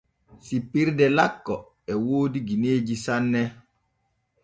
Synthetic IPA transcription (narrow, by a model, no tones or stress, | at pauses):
sipːiɾdɛlakːɔ | ɛwoːdiɡineːd͡ʒisanːɛ